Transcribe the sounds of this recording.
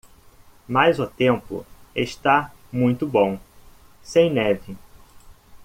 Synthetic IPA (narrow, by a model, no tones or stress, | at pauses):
majzat̪ẽmpʊ̰eʃt̪a | mũj̃t̪ʊbõw̃ | sẽj̃nɛvɪ